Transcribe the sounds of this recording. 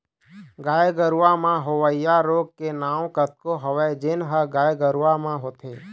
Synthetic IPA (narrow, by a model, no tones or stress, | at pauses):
ɡaːjɡəɾuʋamãɦoʋəɪjaɾoːɡ̚kenaːõkət̪̚koɦəʋɛd͡ʒenɦəɡaːjɡəɾʋamãɦoːt̪ʰeː